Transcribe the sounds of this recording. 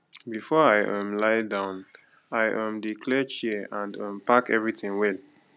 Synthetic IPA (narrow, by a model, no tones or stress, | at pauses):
bifɔaɪʔɔ̃mlaɪdãʊ̃n | aɪʔɔ̃mdikʰlɛt͡ʃiãnə̃mpakɛ̰vɹitĩŋwɛl